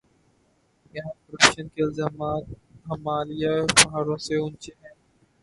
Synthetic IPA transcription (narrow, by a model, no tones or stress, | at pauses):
jɐɦãːkəɾɐpkʃənkeɪlzaːmaːt̪̚ɦɐmaːlijaepɐɦaːɾõːseʊ̃nt͡ʃeɦɛ̃ː